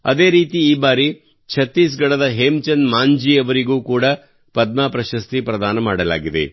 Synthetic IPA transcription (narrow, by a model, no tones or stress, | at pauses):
ɐ̰d̪e̞ːɾiːt̪iːbaːɾi | t͡ʃʰɐt̪ːiːs̬ɡɐɽɐd̪ɐɦemt͡ʃɐnmaːɲd͡ʒiɐʋɐɾiɡuːkuːɽɐ | pɐd̪̚maːpɾɐʃɐst̪ipɾɐd̪aːnɐmaːɽɐla̰ːɡid̪ḛ